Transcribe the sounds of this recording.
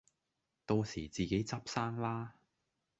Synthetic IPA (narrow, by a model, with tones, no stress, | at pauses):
t̪o˧wsḭː˨˩t͡siː˨ke˨˥jt͡sɐ˥p̚saː˥ŋlaː˥